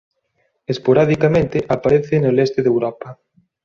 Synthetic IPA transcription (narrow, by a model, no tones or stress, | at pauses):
espoɾaðikamẽnt̪ɪʔapaɾeθɪnelest̪ɪðewɾɔpɐ